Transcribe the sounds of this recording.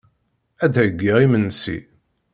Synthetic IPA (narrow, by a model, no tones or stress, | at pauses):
æd̪æjəɡːiʁimənːsḭ